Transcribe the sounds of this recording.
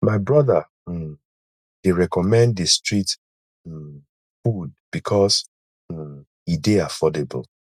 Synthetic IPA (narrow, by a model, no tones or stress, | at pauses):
maɪbɹɔða | deɹɛkɔmɛ̃nddestɹit̩ | fud̚b̥ikʰɔs̩ | ideafɔdebɔl